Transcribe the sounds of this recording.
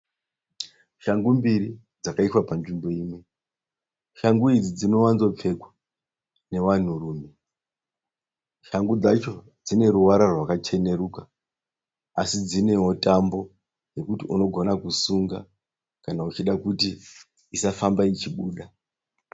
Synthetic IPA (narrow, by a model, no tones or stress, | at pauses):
ʃaŋɡumbiɾi | d͡zakaiswapand͡ʒimbo̞iːmwe̞ | ʃaŋɡuid͡zid͡zino̞ʋanzo̞p͡fe̞ɡwḁ | ne̞ʋan̤uruːme̞ | ʃaŋɡud͡zat͡ʃo̞ | d͡zine̞ɾuwaɾarwakat͡ʃe̞ne̞ɾuka | asid͡zine̞ɦo̞tambo̞ | je̞kutiʔuno̞ɡʱo̞nakusuŋɡa̰ | kanaut͡ʃiɗakuti | isafambait͡ʃiɓuːɗa